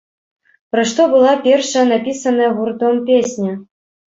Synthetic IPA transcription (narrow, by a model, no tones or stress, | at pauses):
pɾaʂt̪ɔbɨlˠapʲɛrʂɐjɐnapʲisɐnɐjɐɣurt̪ɔmpʲesʲnʲɐ